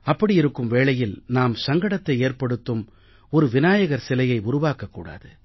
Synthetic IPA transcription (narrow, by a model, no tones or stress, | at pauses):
ɐpːɐɽijɪɾɯkːɯmʋeːɭɐjɪlnaːmsɐŋɡɐɽɐt̪ːɐɪeːrpɐɽɯt̪ːɯm | ɔɾɯʋɪnaːjɐɣɐɾsɪlɐjɐɪʊɾʊʋaːkɐkːuːɽa̰ːðɯ